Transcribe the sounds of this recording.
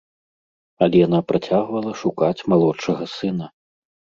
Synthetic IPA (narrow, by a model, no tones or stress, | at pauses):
ɐlʲɛjan̪apɾat͡sʲaɣvɐlˠɐʂukat͡sʲmalˠɔt͡ʂːɐɣɐsɨnɐ